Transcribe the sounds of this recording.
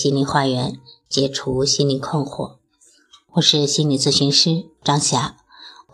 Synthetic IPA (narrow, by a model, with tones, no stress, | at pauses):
ɕi˥nli˧˥xwa˥˩ɥɛ˧˥nt͡ɕjɛ˧˥ʈ͡ʂʰu˧˥ɕi˥nli˧˥kʰɤ˥˧ŋxwɔ̰˨˩˦ | wɔ˨˩ʂɻ̩˥˧ɕi˥nli˨˩t͡sɹ̩˥˩ɕy˧˥nʂɻ̩˥˩ʈ͡ʂɑ˥ŋɕja˧˥